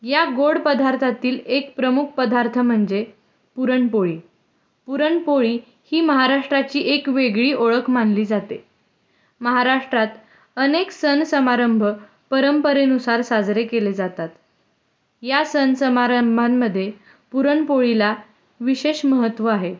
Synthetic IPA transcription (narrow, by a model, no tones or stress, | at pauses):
jaɡoɽpəd̪ʱaɾt̪ʰat̪iːlekpɾəmuk̚ʰpəd̪ʱaɾt̪ʰəm̤əɳd͡ze | puɾəɳpoɭiː | puɾəɳpoɭiː | hiːməɦaɾaʂʈɾat͡ɕiːʔekʋeɡɭiːʔoɭəkʰmanliːd͡zat̪e | məɦaɾaʂʈɾat̪ | əneksənsəmaɾəmbʱə | pəɾəmpəɾenusaɾsad͡zɾekeled͡zat̪at̪ | jasənsəmaɾəmbʱanməd̪ʱːje | puɾəɳpoɭila | ʋiɕeɕməɦət̪ʋəaɦe